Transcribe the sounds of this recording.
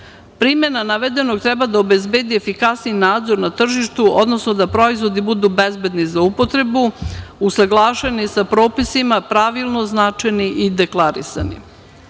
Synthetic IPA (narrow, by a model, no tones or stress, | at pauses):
pɾimje̞nanaʋed̪e̞no̞ɡ̚t̪ɾɛbad̪aobezbeːd̪iefikasniinaːd̪zo̞ɾnat̪r̩ʒiʃt̪uod̪no̞snod̪apɾo̞izʋo̞d̪ibud̪ubezbed̪nizaupo̞t̪ɾe̞buusaɡlˠaːʃenisapɾo̞ːpisimapɾaʋilˠno̞znat͡ʃajniʔid̪eklˠaɾḭsa̰nḭ